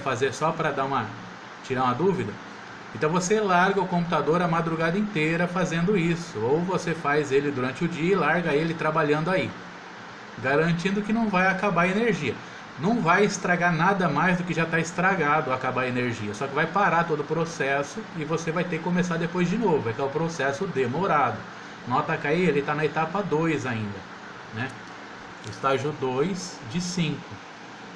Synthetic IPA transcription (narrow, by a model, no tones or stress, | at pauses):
fazeɾsɔpɾɐd̪aũmɐ | t͡ʃiɾaũɐd̪uvid̪ɐ | ẽnt̪ɐ̃w̃voselaɾɡɐʊkõmp̬ut̪ad̪oɾɐmad̪ɾuɡad̪ɐẽt̪eɾɐfazẽnd̪ʊisʊowvosefajzelɪd̪uɾɐ̃t͡ʃɪʊd͡ʒiɐɪlaɾɡɐelɪt̪ɾabaʎɐ̃nd̪ʊai | ɡaɾɐ̃nt͡ʃĩnd̪ʊkɪnɐ̃w̃vajakabaɾeneɾʒiɐ | nɐ̃w̃vajɪst̪ɾaɡaɾnad̪ɐmajzd̪ʊkɪʒat̪aɪst̪ɾaɡad̪ʊakabaɾeneɾʒiɐsɔkɪvajpaɾaɾt̪od̪ʊpɾosɛsʊɪvosevajt̪ekɪkõmesaɾd̪epojzd͡ʒɪnovʊɛkɛʊpɾosɛsʊd̪emoɾad̪ʊ | ñɔ̃t̪akaielɪt̪anɐet̪apɐd̪ojzaĩnd̪ɐ | nɛ | ɪst̪aʒʊd̪ojs | d͡ʒɪsĩŋkʊ